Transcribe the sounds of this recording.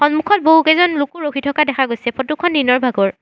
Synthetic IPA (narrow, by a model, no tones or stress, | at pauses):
xɔnmukʰɔt̚boɦukɛzɔnlukuɹoxʰitʰɔkadɛkʰaɡojsɛpʰɔtukʰɔndinɔɹbʱaɡɔɹ